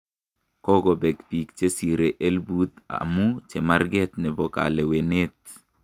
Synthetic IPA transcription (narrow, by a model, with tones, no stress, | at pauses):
kɔ˦ɡɔ˨bɛ˨kpi˨kt͡ʃe˦si˨ɾe˨ʔe˦lbu˦t̪a̰mu˦t͡ʃe˨ma˦rɡɛ˦t̪nɛ˨bɔ˨ka̰˨lɛ˨we˨ne˦t̪̚